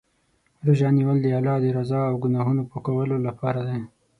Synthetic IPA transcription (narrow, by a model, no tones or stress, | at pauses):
ɾuʒɑniwəld̪əɑlɑd̪əɾazɑawɡʊnɑɦunopokawəlolapɑɾad̪a